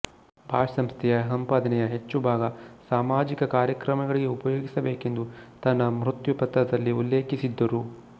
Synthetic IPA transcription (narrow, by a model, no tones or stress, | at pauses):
bʱaːʂɐsɐmst̪ʰɛjɐɦɐmpaːd̪ɐnɛjɐɦe̞t͡ʃːubʱaːɡɐsaːmaːd͡ʒikɐkaːɾjɐkɾɐmɐɡɐɭiɡe̞upɐjoːɡisɐbeːke̞nd̪ut̪ɐnːɐmɾut̪jupɐt̪ɾɐd̪ɐlːiulːeːkisid̪ːɐɾu